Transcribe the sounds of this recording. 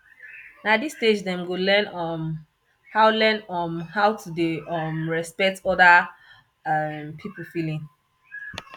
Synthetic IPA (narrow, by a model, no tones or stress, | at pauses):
nadisted͡ʒdɛ̃mɡolɛ̃nɔm | haʊlɛnɔmhawtʰudeɔmɹɛspɛk̚tɔda | ampʰipulfilĩŋ